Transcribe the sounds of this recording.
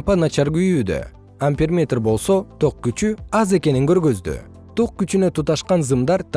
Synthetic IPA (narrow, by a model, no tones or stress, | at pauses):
pɑnat͡ʃɑɾɡyjyːd̪ø̰ | ampʲermʲet̪rbo̞lˠso̞t̪ʰo̞q̚kyt͡ʃyɑze̞ke̞niŋɡø̞ɾɡø̞zd̪y̰ | t̪ʰo̞q̚kyt͡ʃynøt̪ʰut̪ɑʃqɑnzɯmd̪ɑɾt̪ʰ